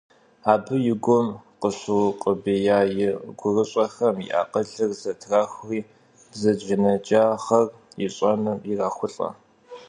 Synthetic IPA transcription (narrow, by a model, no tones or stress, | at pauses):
aːbɨjɪɡʷɔmqəɕɨwqʼəbejaːjɪɡʷʊrɨɕʼɐxɐmjḭʔa̰ːqəɮɨrzɐtʰraːxʷriː | bzɐʒɪnɐd͡ʒʼaːχɐr | jɪ̰ɕʼɐnɨmjɪraːxʷʊɬʼɐ̰